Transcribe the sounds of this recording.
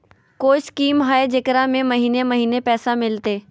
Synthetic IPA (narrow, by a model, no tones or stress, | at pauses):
koːɪskiːmɦaːed͡ʒekɾamẽmɐɦiːnemɐɦiːnepɛːsamɪlt̪eː